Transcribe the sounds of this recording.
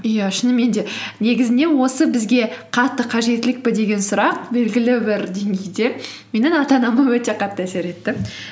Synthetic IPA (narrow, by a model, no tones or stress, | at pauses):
ijaʃɪnɪme̞nd̪e̞ne̞ɡʲɪzɪne̞wo̞səbɪzɡʲe̞qʰɑt̪ːəqʰɑʒet̪ːɪlɪk̚pɪd̪e̞ɡʲe̞nsʊɾɑq̚be̞lɡʲɪlɪbɪɾd̪e̞ŋɡʲe̞jd̪e̞ | me̞nɪŋɑt̪ɑnɑmɑwɵt̪e̞qʰɑt̪ːəæse̞ɾe̞t̪ːɪ